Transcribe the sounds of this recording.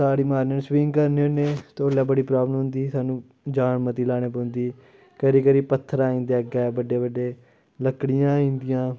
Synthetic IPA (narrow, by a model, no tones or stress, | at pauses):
saːɾiːmaːɾnəswiŋɡkəɾneːoneːt̪oːlaːbəɽiːpɾaːblənɦʊ̃nd̪iːsaːnũː | d͡ʒaːɳmət̪iːlaːɽ̃eːpə̃ːnd̪iː | kəɾiːkəɾiːpət̪ʰːəɾaːĩːnd̪aːɡɛːbəɖeːbəɖeː | ləkɽɪjãːĩːnd̪ɪjãː